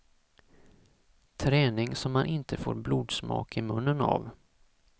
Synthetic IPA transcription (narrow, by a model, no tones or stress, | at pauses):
t̪ʰɾɛːnɪŋsɔmːanʔɪnt̪ʰəfoːɾbluːd̪smɑ̰ːkɪmɵnːəna̰v